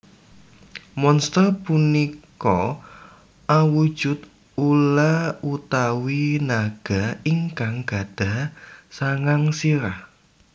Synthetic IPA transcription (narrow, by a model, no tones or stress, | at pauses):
mɔnst̪ərpunikɔ | ʔawud̥ʒ̥ʊ̤t̪ | ulaut̪awinaɡ̥a̤iŋkaŋɡ̥a̤d̪̥a̤saŋaŋsiɾah